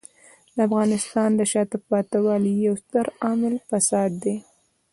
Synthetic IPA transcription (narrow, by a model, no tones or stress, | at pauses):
d̪əafɣɑnɪst̪ɑnd̪əʃɑt̪ɪpɑt̪awɑlijawst̪əɾɑmɪlfasɑd̪ːe